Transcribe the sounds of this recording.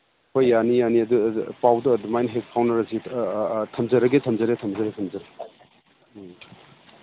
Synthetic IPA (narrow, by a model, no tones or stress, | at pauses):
kʰojːanijaniɐdupawduɐdumajnɦek̚pʰawnɐɾɐsitʰɐmd͡ʒɐɾɐɡetʰɐmzɐɾetʰɐmzɐɾetʰɐmzɐɾe